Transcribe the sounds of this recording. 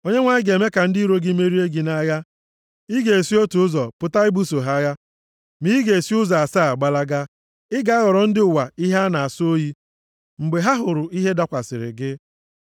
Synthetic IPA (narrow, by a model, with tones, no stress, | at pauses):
o˦ɲe˦ŋʷa˦ɲɪ˦ɡe˨me˦ka˨n̩˦di˦ɾo˦ɡɪ˦me˦ɾi˦e˦ɡi˨na˦ja˦ | i˦ɡe˨e˨si˦o˦tu˨ʊ˦zɔ˨pʊ˨ta˦ɪ˦bu˦so˨ɦa˦ja˦ | mi˦i˦ɡe˨e˨si˦ʊ˦za˨a˨saː˦˨ɡ͡ba˨la˦ɡa˦ | ɪ˦ɡa˨˦a˦ɣɔ˨ɾɔ˨n̩˦dɪ˦ʊ˨wa˨i˦ɦa˦na˨a˨so˦ji˦ | ŋ͡m̩˨ɡ͡be˨ɦa˦ɦʊ˨ɾʊ˨i˦ɦe˦da˦kʷa˨sɪ̰˨ɾɪ̰˨ɡɪ˦